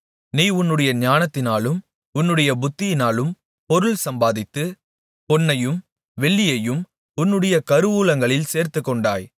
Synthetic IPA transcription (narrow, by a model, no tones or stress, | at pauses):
niːʊnːɯɽɐjɐɲaːnɐt̪ːɪnaːlɯm | ʊnːɯɽɐjɐbʊt̪ːɪjɪnaːlɯm | pɔɾɯlsɐmbaːðɪt̪ːɯ | pɔnːɐjɯm | ʋɛɭːɪjɐjɯm | ʊnːɯɽɐjɐkɐɾɯʋuːlɐŋɡɐɭɪlseːɾt̪ɯkːɔɳɖa̰ːj